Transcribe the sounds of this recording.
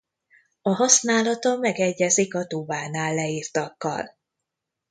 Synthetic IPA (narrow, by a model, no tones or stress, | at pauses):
ɒɦɒsnaːlɒt̪ɒmɛɡɛɟːɛzikɒt̪ubaːnaːlːɛiːrt̪ɒkːɒ̰l